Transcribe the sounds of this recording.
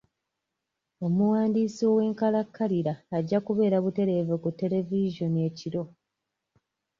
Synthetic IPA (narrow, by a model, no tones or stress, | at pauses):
o̞muwaːndiːsio̞we̞ːŋkalakʰːaliɾaːɟːakuβe̞ːɾaβute̞ɾe̞ːvekutːe̞le̞viʒo̞nie̞ciɾo̞